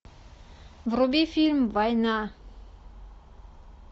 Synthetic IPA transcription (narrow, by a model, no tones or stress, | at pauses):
vrubifilmvajna